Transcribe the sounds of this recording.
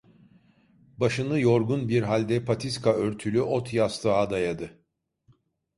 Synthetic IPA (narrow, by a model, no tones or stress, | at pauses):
baʃɯnɯjo̞ɾɡunbiɾɦalʲd̪ɛpʰat̪ʰiskaøɾt̪ʰylʲyʔo̞t̪ʰjast̪ʰɯɦad̪ajad̪ɯ